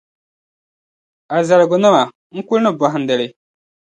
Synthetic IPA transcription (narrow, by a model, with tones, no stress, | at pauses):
a˨za˨ɾɡʊ˨na˦ma˨ | ŋ̩˦ku˦lnə˦˨bɔ˨ɦa˨n˨dɛ˨lɪ˨